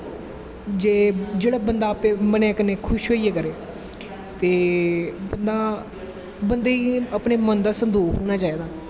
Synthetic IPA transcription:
d͡ʒeːd͡ʒeːɽaːbənd̪aːpeːmənaːkəneːkʰʊʃɦoːiːeːkəɾeː | t̪eːbənd̪aː | bənd̪eːiːəpneːmənd̪aːsənd̪oːɦoːñaːt͡ʃaːeːd̪aː

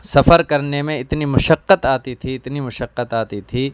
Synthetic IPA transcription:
sɐfəɾkɐɾnemẽɪt̪nimʊʃəqːət̪aːt̪it̪ʰiɪt̪nimʊʃəqːət̪aːt̪it̪ʰiː

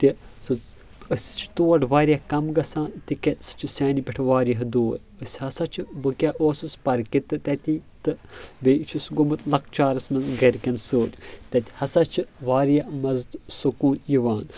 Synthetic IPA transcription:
t̪isɨ | əsʲt͡ʃʰt̪oːɖʋaːɾijɐkɐmɡɐsãːnt̪ikʲɐsɨ̥t͡ʃʰisʲaːnipʲiʈʰʋaːɾjɐɦd̪oːɾʲəsʲhɐsɐt͡ʃʰibɨkʲaʔoːsɨspɐɾkit̪ɨt̪ɐt̪it̪ɨbet͡ʃʰusɡomɨt̪lɐk̚t͡ʃaːɾɐsmɐnɡɐɾʲkʲɐnsoːɾʲt̪ɐt̪ʲi̥hɐsɐt͡ʃʰiʋaːɾjamɐzt̪sukuːnjiʋaːn

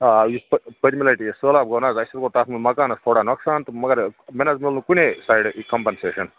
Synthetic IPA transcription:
ajisppɐɾʲimilɐɾiʈisəːlaːb̚ɡɐːnaːzɐsɐɾkot̪aːt̪milmɐkaːnɐsfʰoɽaːnɐksaːnt̪ɨmɐɡɐɾmenaːzmild̪ukunʲesaːjɖkɐmpɐnseːʃɐn

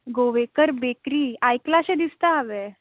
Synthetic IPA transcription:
ɡoʋekəɾbekɾiːajklased̪ist̪aːʋe

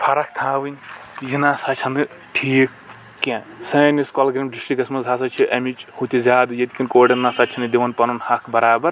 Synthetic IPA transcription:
pʰɐɾɐkʰt̪ʰaːwɨnʲjinasɐt͡ʃʰɐnɨ | ʈʰiːkː | ẽsɐniskɐlɡɾimɖisʈikɐsmɐzʱaːs̬ɐt͡ʃʰiʔɐmit͡ʃhut̪izʲaːd̪ɨjɐd̪ikʲinkoːɖɐnːasɐt̪ːt͡ʃʰinɨd̪iʋɐnpɐnunhɐkʰbɐɾaːbɐɾ

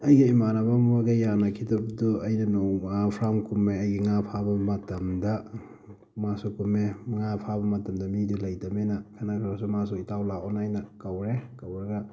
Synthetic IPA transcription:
ɐjɡiimanabambaɡejanakʰidɐbduɐjnɐnɔapʰɾamkumːeɐjɡiŋapʰabɐmɐtɐmdɐ | masukumeŋapʰabɐmɐtɐmdɐmidulajdamenakʰanakʰɾasumas̬uitawlaɔnajnakawɾekawɾaɡa

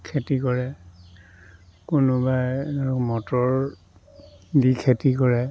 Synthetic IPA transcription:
kʰetikɔɹɛ | kunʊbajaɹumɔtɔɹ | dikʰetikɔɹɛ

